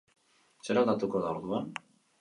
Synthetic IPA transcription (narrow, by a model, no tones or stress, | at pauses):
seɾald̪at̪uko̞ðaoɾðuan